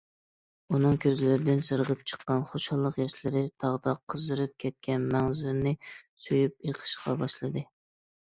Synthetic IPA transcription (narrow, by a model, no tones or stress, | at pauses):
unɨŋkʲʰøzlɪɾɪd̪ɪnsɨɾʁəp̚t͡ʃʰə̥qːɑnχoʃɑlˠːəqjɛʃlɪɾɪt̪ʰɑʁd̪ɑqʰːəzɨɾɨp̚kʲʰɛt̪̚kʲʰɛnmæŋzuɾnɨsojyp̚jeqʰə̥ʃqɑbɑʃlˠɨd̪ɨ